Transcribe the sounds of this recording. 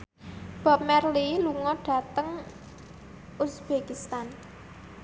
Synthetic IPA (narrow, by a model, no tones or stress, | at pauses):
b̥a̤p̚mɛrliluŋɔɖ̥a̤t̪əŋ | usb̥ekist̪an